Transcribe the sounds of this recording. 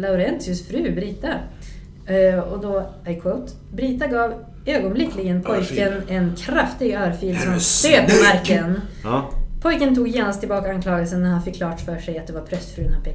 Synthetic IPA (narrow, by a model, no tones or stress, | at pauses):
laʊɾɛnsɪɵsfɾʉ̟ːbɾiːt̪a | ɔd̪ɔaɪkʰot̪ | bɾiːt̪aɡɑːv | øːɡɔnblɪkːlɪɡənpʰɔjkənɛnkʰɾaft̪ɪɡøːɾfiːlsɔmanst̪eːpʰɔmaɾkən | pʰɔjkənt̪ʰuːɡjeːnast̪ʰːɪlbɑːkaankʰlɑːɡəls̬ənːæɾhanfəkʰːlɑːʈfœʂɛjat̪̚d̪ɛvaɾpʰɾœst̪fɾʉːnhapʰɛ